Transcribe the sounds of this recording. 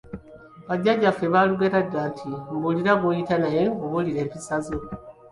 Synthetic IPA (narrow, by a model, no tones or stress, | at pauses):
βaɟaɟafe̞βaluɡeɾadːantʰimbuliɾaβojitanajeŋɡoβuliɾe̞ːmpisazo